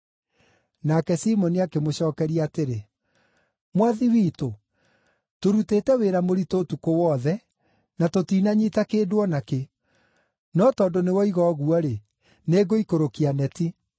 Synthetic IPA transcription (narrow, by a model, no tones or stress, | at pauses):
nakɛsimɔniakemoɕɔːkɛɾiaːteɾe | mwaðiwiːto | toɾutetɛweɾamoɾitoːtukowɔðɛ | natotinaɲitakeːdwɔnake | nɔtɔndonewɔiɣɔɣuɔɾe | neːɡoikoɾokianɛti